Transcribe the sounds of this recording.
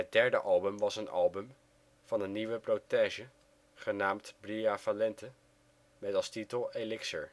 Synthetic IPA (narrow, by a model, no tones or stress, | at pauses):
ɦət̚dɛɹdəʔɑlˠbəmʋɑsənɑ̰lˠbəm | v̥ɑnənːiʋəprowteːʒə | χənaːmtbrijavalɛntə | mɛtɑlˠstitəlˠelɪksə̰ɹ